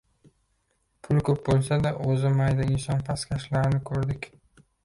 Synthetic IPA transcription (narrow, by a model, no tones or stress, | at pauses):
pʰʊlˠkʰʲɵp̚bolˠsad̪aʔɵzɪmajd̪aɪnsɒnpʰaskʲʰaʃlaɾɪnɪkʰɵɾd̪ɪkʲ